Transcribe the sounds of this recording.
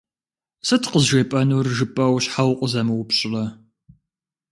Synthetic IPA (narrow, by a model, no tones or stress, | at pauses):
sɨtʰqəzʒeːpʼɐnuːrʒɨpʼɐwɕħawqʷʼʊzɐmɨwʊpɕʼɪlɐ